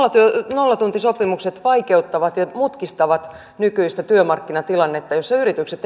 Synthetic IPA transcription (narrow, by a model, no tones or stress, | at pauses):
ɑt̪yønolːɑt̪unt̪isopimukset̪ʋɑikeut̪ːɑʋɑt̪jɑmut̪kist̪ɑʋɑt̪ | nykyist̪æt̪yømɑrkːinɑt̪ilɑnːet̪ːɑjosːɑyrit̪ykset̪